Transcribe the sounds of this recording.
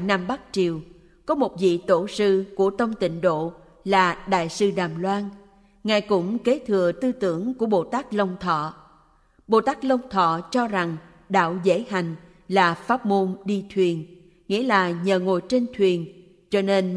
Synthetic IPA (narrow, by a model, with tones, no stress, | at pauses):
na˧mɓa˦˥k̚t͡ɕi˨˩əw | kɔ˨˦mo˨˩t̚vḭ˧˨t̪o˧˩sɨ˧ku˧˩ət̪ə˧wŋ͡mt̪ï˧˨ŋ̟ɗo̰˧˨ | laː˨˩ɗa̰ː˧˨jsɨ˧ɗaː˨˩mlwaː˧n | ŋaː˨˩jkʊ̰˧˥ŋ͡mke˨˦t̪ʰɨ˨˩ət̪ɨ˧t̪ɨ̰˧˩˥əŋku˧˩əɓo̰˧˨t̪aː˦˥k̚lə˧wŋ͡mt̪ʰɔ̰˧˨ | ɓo̰˧˨t̪aː˦˥k̚lə˧wŋ͡mt̪ʰɔ̰˧˨t͡ɕɔ˧za˨˩ŋ | ɗa̰ː˧˨wzə̰˧˥jha˨˩jŋ̟ | laː˨˩faː˦˥p̚mo˧nɗi˧t̪ʰwi˨˩ən | ŋḭ˧˥əlaː˨˩ɲəː˨˩ŋo˨˩jt͡ɕe˧nt̪ʰwi˨˩ən | t͡ɕɔ˧ne˧n